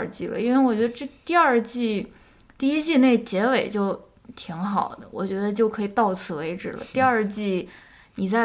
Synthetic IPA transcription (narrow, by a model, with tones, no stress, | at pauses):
t͡ɕi˥˩lə̰˩i˥nwe˥˧ɪwɔ˨˩t͡ɕɥɛ˧˥d̪ə˧ʈ͡ʂt̪i˥˧ɐ˞˥˧t͡ɕi˥˩ | t̪i˥˧i˥t͡ɕi˥˧ne˥˩ɪt͡ɕjɛ˧˥we˨˩ɪt͡ɕjo˥˩ʊ | t̪ʰi˧˥ŋxɑ˨˩ʊd̪ə˦wɔ̰˨˩t͡ɕɥɛ˧˥d̪ə˧t͡ɕjo˥˩ʊkʰɤ˧˥i˨˩t̪ɑ˥˩ʊt͡sʰɹ̩˥˩we˧˥ɪʈ͡ʂɻ̩˨˩lə̰˦t̪i˥˧ɐ˞˥˧t͡ɕi˥˩ | ni˨˩t͡sa˥˧